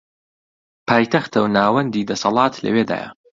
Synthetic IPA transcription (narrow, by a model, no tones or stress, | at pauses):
pʰaːjt̪ʰɐxt̪ɐwnaːwɐnd̪iːd̪ɐsɐlˠɑːt̪ʰlɐ̰wed̪a̰ːjɐ̰